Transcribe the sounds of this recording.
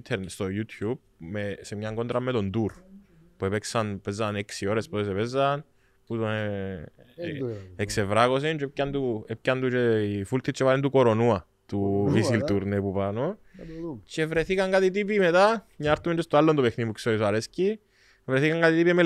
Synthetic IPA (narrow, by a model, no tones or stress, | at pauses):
t̪ʰeɾnt̪st̪ojut̪ʰjub̚ | mesemɲaŋɡo̞nd̪ɾamːe̞t̪o̞nd̪uɾpuepeksɐnpezːɐneksio̞ɾe̞spot̪es̬epezːan | put̪one | eksevɾaɣos̬int͡ʃoep̚cːand̪uep̚cand̪ut͡ʃeifult̪ʰːit͡ʃːevalend̪ukoɾo̞nua | t̪uvisilt̪uɾnepupano | t͡ʃevɾe̞θikaŋkat̪it̪̬ip̬imet̪amɲaɾt̪ːument͡ʃost̪oalːond̪opexnimuksoisaɾesci | evɾe̞θikaŋɡkat̪it̪ipieme